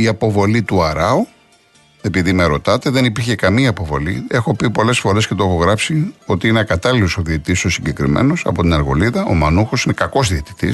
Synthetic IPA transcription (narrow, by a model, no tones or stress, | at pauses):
iɐpo̞vo̞lit̪uɐɾɐu | e̞piðimeɾo̞t̪ɐt̪e̞ðe̞nipiɾçe̞kɐmiɐːpo̞vo̞lḭe̞xo̞pipo̞le̞sfoɾe̞scet̪oexo̞ɣɾɐpsio̞t̪iineɐkɐt̪ɐlilosoðiet̪isosiɲɟe̞kɾḭmḛno̞sɐ̰po̞t̪inɐɾɣo̞̰liðɐʔo̞̰mɐnuxo̞sine̞kɐko̞zðiet̪i̥t̪ḭs